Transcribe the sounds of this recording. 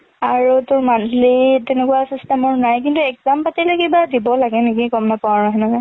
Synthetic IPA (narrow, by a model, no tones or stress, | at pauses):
aɹutʊɹmanʰlitɛnekʊwasistɛmɔɹnajkintuɛɡzampatilɛkebadibɔlaɡɛnekikɔmnapɔwaɹɔɦɛnɔkɛ